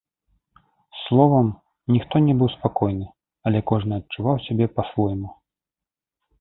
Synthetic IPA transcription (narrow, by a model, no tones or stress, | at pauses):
slˠɔvɐm | nʲixt̪ɔnʲɛbɨwspakɔjnɨ | ɐlʲɛkɔʐnɨɐt̚t͡ʂːuvawsʲabʲɛpɐsvɔjmu